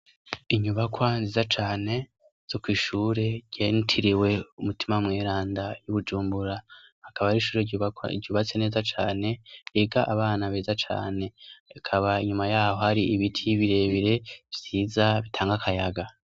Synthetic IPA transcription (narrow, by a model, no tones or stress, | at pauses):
iɲuβakwanziːzat͡ʃaːne̞ | z̥o̞kwiːʃuːɾe̞ɟ̥e̞ntʰiɾiwe̞umutʰimamŋeːɾaːndajuβud͡ʒuːmbuɾahakaβaɾiʃuːɾḛɟuːβat͡se̞ne̞ːzat͡ʃaːne̞eɡaʔaβaːnaβeːzat͡ʃa̰ːne̞akʰaβaiɲumajaːho̞haɾiiβitʰiβiɾe̞βiɾe̞v̥z̥iːzaβitʰaːŋɡakʰajaɡa